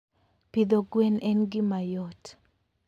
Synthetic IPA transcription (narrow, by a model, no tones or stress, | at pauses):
pid̪oɡwɛnʔɛnɡɪmajɔt